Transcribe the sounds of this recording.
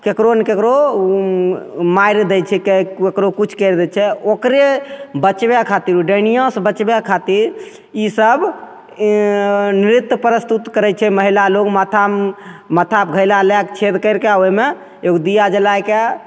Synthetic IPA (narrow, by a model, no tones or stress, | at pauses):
kekɾonekekɾo | maiɾd̪ɛt͡ʃʰɛkeekɾokut͡ʃʰkəɾd̪ɛt͡ʃʰɛokɾebət͡ʃbakʰat̪iɾuɖənijãsbət͡ʃbakʰat̪iɾ | isəb | niɾit̪ːpəɾəst̪ut̪kəɾɛt͡ʃʰɛməɦilaloɡmət̪ʰamət̪ʰap̚ɡʱəjlalɛkt͡ʃʰed̪kəɪɾkeaoime | oɡd̪ijad͡ʒəlajke